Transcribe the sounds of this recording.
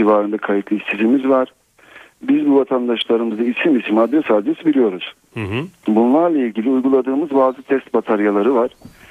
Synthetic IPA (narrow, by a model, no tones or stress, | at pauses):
ivaːɾɯnd̪akʰajit̪lˠɯisʰizimizvaɾ̥ | bizbuvat̪ʰand̪aʃlˠaɾɯmɯzd̪aisimisimad̪ɾɛsad̪ɾɛsbilʲijo̞ɾuz̥ | bunlˠaɾlˠaiɟilʲiujɡulˠad̪ɯːmɯzbaːzɯt̪ʰɛst̪̚bat̪ʰaɾjalˠaɾɯvaɾ̥